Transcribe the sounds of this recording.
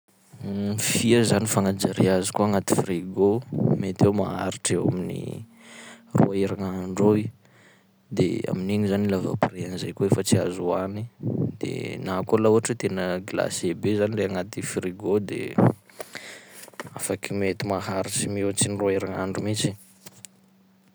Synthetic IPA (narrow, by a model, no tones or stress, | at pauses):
fiəzanifaŋad͡ʒaɾiazi̥kuaŋat̪i̥friɡomet̪ewma̰a̰ɾiʈ͡ʂewa̰minḭ | rṵaiɾaŋaɳɖ͡ʐoi | d̪ḛa̰miniɲizanilava̰preanzajkuefət͡sia̰zuanid̪̥ḛnakulauaʈ͡ʂit̪enəɡila̰sebezanireaŋat̪ifriɡod̪ḛ | afakimet̪imaɦaɾit͡simewt͡siniruaiɾaŋaɳɖ͡ʐumit͡ʃi̥